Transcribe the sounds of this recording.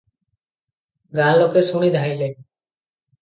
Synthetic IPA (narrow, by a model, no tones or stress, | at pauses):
ɡãːloːkeːsuɳ̃iːd̪ʱaːiːleː